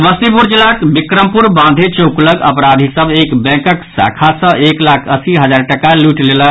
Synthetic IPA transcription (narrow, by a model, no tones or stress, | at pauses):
məst̪ipuɾd͡ʒilakbikɾəmpuɾbãnd̪ʱet͡ʃokləɡə̰pɾad̪ʱisəbekbɛ̃kəksa̰kʰasə̃ʔeklakʰəsiɦəd͡ʒaɾʈəkaluʈlelə